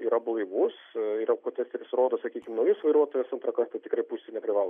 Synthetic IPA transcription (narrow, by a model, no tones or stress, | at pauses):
iːɾɐblˠɐɪʋusiːɾɐkoːt̪ʲɛsʲt̪ʲɛɾʲɪsɾoːd̪oːsɐkʲiːkʲɪmnɐʊjɪsʋɐɪɾuɔt̪oːjɛsɐnt̪ɾɐkɐrt̪ɐt̪ʲɪkɾɐɪpuːsʲt̪ʲɪnʲɛpʲɾʲɪʋɑːlˠo